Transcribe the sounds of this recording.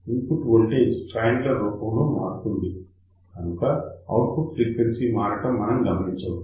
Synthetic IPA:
inpuʈʋoɭʈesʈɾaːjɳɖlɐɾuːpɐmloːmaːɾut̪und̪i | kɐnukɐɐ̰wʈ̚puʈpɾiːkʋensimaːɾɐʈɐmːɐnɐmɡɐmɐniɲt͡ʃɐʋ

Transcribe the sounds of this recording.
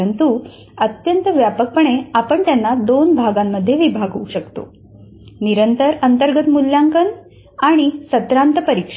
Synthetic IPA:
ənt̪u | ət̪jənt̪ʋjapək̚pəɳ̃eapəɳt̪janːad̪onbʱaɡamːəd̪ʱːjeʋibʱaɡɦouɕəkt̪o̰ | niɾənt̪əɾənt̪əɾɡət̪mulːjaŋkən | aɽ̃isət̪ɾant̪əpəɾikʂ

